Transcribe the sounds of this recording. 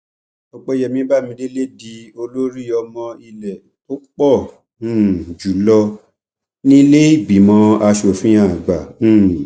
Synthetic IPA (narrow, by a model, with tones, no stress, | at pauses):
ɔ˨˧k͡pɔ˦jɛ˧˨mĩ˧˦ba˦˨mĩ˧˦de˦le˦di˨˦o˧lo˦ɾi˦˨ɔ˧mɔ̃˧i˧lɛ˨ | to˦k͡pɔ̃˦˨˦ | d͡ʒu˨lɔ˧ | nĩ˦le˦i˦˨bi˨mɔ̃˨˧˦a˧ʃo˨fĩ˦ã˦˨ɡ͡bã˨˦˨